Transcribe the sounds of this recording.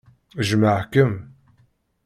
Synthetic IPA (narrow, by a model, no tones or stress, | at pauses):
ʒəmaʕkəm